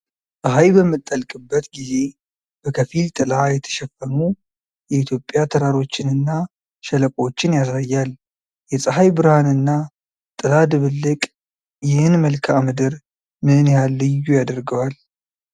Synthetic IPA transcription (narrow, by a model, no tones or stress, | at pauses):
sʼəɦajbəmːɨt̪ʼːəlkʼɨbːət̪ɡize̞ | b̥əkʰəfilt̪ʼɨlajɛt̪ʰə̥ʃɛfːəmu | jɛit̪ʰjo̞pʼːjat̪ʰəɾaɾo̞t͡ʃːɪnɨnːa | ʃɛləkʼo̞t͡ʃːɪnjasajːal | jɛsʼəɦajbɨɾhanɨnːa | t̪ʼɨlad̪ɨβɨlːɨkʼ | jɪhɨnməlkʰaʔmɨd̪ɨɾ | mɨnjhalːɨjːujad̪əɾɡəwal